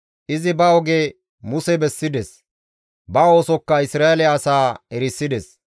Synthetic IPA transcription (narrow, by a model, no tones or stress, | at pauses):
ʔɪzɪbɐɔɡe | mʊsɛbɛsːɪd̪ɛs | bɐo̞ːsɔkːɐɪsɾaːɛlɛːsaːɛɾɪsːɪd̪ɛs